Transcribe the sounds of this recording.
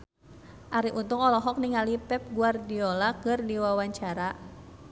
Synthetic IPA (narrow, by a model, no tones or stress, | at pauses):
ʔaɾiʔunt̪ʊŋɔlɔɦɔk̚niŋalipɛp̚ɡuardiɔlakɨrdiwawaɲt͡ʃaɾa